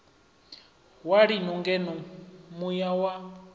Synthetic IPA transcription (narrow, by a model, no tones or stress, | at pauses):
waɺinɔŋɡɛnɔmujawa